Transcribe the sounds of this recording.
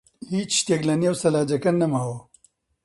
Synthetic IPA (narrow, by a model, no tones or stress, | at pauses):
hiːt͡ʃʃt̪eɡlɐniɐwsɐlaːd͡ʒɐkɐnnːɐmaːwɐ